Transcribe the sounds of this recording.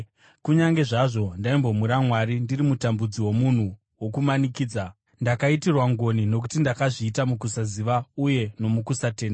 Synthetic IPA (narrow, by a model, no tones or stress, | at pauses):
kuɲaŋɡe̞ʐaʐo̞ndaimbo̞muɾamwaɾindirimutambud͡ziwo̞mun̤u | wo̞kumanikiːd͡za | ndakaitirwaŋɡo̞nino̞k̬utindakaʐiːtamuk̬usaziʋauje̞no̞mukusate̞ːnda